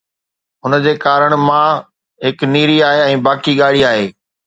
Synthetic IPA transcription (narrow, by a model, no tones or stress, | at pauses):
ʊnəd͡ʑeːkaːɾəɽ̃mã | ɦɪkniːɾiaːɦeɛ̃ːbaːkiɠaːɽiaːɦeː